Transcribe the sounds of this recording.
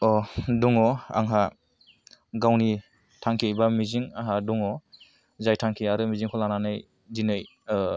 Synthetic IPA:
ɔduŋɔa̰ŋɦa | ɡawni | tʰaŋkʰibamiziŋaŋɦaduŋɔ | zajtʰaŋkʰiaɾɯmiziŋkʰɔlananɯj | dinɯj

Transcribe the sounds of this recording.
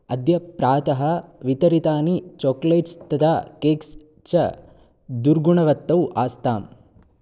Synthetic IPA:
ɐd̪jɐpɾaːt̪ɐɦɐʋit̪ɐɾit̪aːnit͡ʃoːkleːʈst̪ɐd̪aːkeːks | t͡ʃɐ | d̪uɾɡuɳɐʋɐt̪ːɐwʔaːst̪aːm

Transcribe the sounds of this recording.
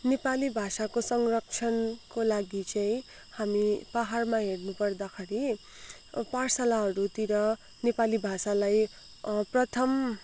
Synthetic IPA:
nepalibʱasakosʌŋrʌk̚t͡sʰʌnkolaɡit͡sʌĩ | hamipaɦarmaɦernupʌrd̪akʰaɾi | parsalaɦʌɾut̪iɾʌ | nepalibʱasalaj | prʌt̪ʰʌm

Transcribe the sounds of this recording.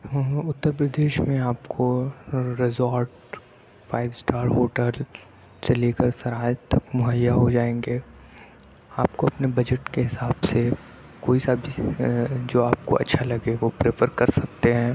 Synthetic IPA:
ʊt̪ːəɾpɾəd̪eːʃmẽaːpkʰoɾɪzɔːɾʈ | faːɪʋsʈaːɾɦoːʈəl | t͡ʃɐlekɐɾsɐɾaːjt̪ɐkmʊɦəjːaɦod͡ʒaːẽːŋɡeː | aːpkoɐpnebɐd͡ʒəʈkeɦɪsaːbse | koːisabʱi | d͡ʒoːaːp̚ko̰ʔɐ̰tːʃʰalɐɡeʋopɾeːpʰəɾkɐɾsɐk̚t̪eɦɛ̃ː

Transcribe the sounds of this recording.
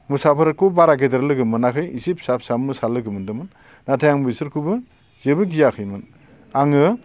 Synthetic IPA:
musapʰɯɾɯkʰubaɾaɡedeɾlɯɡɯmɯnakʰɯjisip̚sap̚samɯsalɯɡɯmɯndɯmɯnː | atʰajaŋbisɯɾkʰubɯ | z̥ebɯɡijakʰɯjmɯn | aŋɯ

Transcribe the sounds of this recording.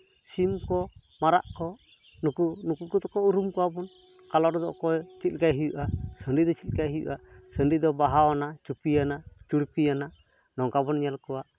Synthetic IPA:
simkɔ | maɾa̰ʔkɔ | nukunukukut̪ɔkɔuɾumkɔwabɔn | kalɔɾd̪ɔ̰ʔkɔɛt͡ʃit̪̚kajɦijuʔasəɳɖid̪ɔt͡ʃit̪̚kajɦijṵʔasənɖid̪ɔbaɦawanat͡ʃupijanat͡ʃuɽpijana | nɔŋkabɔnɲalkɔwaʔ

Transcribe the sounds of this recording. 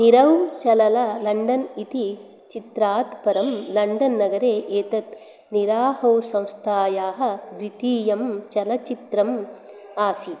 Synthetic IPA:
niɾɐwt͡ʃɐlɐlɐlɐɳɖɐnit̪i | t͡ʃit̪ɾaːt̪pɐɾɐmlɐɳɖɐnːɐɡɐɾeːʔeːt̪ɐt̪ | niɾaːɦɐwsɐ̃w̃st̪ʰaːjaːɦɐ̆d̪it̪iːjɐmt͡ʃɐlɐt͡ʃit̪ɾɐm | aːsi

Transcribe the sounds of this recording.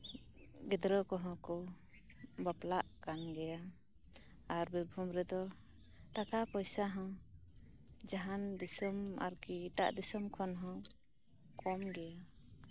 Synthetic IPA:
ɡɛd̪ɾɔkɔɦɔ̃kɔ | baplaʔkanɡɛja | aɾbiɾbʱumɾɛd̪ɔ | ʈakapɔjsaɦɔ̃ | d͡ʒaɦand̪isɔma̰ɾkita̰ʔd̪isɔmkʰɔnɦɔ̃ | kɔmɡɛja

